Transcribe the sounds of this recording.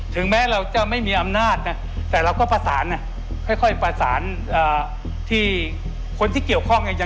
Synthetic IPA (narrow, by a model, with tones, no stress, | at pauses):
t̪ʰɯ˩˦ŋmɛː˦˥ɾa˧wt͡ɕa˥˩ma˥˩jmiː˧˥ʔa˧mnaː˥˩t̪̚na˦˥ | t̪ɛː˨˩ɾa˧wkɔː˥˩pa˧sa̰ː˩˦nːa˧˥ | kʰɔ˥˩jkʰɔ˥˩jpa˧sa̰ː˩˦n | ʔaː˨˩ | t̪ʰiː˥˩ | kʰo˧nt̪ʰiː˥˩ki˨˩əwkʰɔ˥˩ŋna˧ja˧